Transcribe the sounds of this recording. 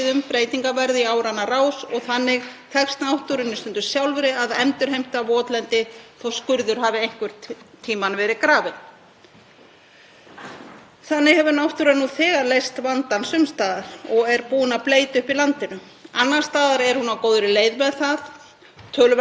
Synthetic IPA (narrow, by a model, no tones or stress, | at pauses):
ðʏmpɾeːjt̪iŋkavɛɾðiaːwɾanːaraːwsɔɣθanːɪɣt̪ʰɛkst̪nawht̪uɾɪnːɪst̪ʏnt̪ʏ̥ɾ̥sjawlvɛɾɪaðɛmt̪ʏɾ̥ɦejm̥t̪avɔːt̪lɛnt̪ɪθowskʏɾðʏɾ̥ɦaːvɪejŋ̥kvʏɾ̥t̪ʰiːmanvɛːɾɪkɾaːvɪn | θanːɪɣhɛvʏɾnawht̪uɾanuθɛːɣaɾlejst̪vant̪ansʏmst̪aːðaɾ̥ɔɣɛɾpuːnapleːjt̪ʏhpilant̪ɪnʏ | anːar̥st̪aːðaɾɛɾ̥hunawkoːwðʏɾɪleːjðmɛðθað | t̪ʰœːl